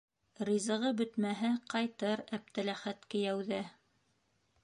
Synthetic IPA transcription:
ɾizɤ̆ʁɤbɵ̆t̪mæɦæqɑjt̪ɤɾæp̚t̪ælæχæt̪kɘ̆jæwðɘ

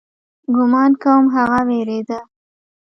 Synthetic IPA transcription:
ɡʊmɑnkawəmɦaɣaweɾed̪a

